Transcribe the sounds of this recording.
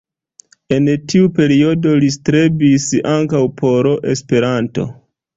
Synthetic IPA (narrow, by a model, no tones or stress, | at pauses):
e̞ntʰiupe̞ɾio̞do̞listɾe̞bisaŋkawpʰo̞ɾo̞ʔe̞spe̞ɾanto̞̰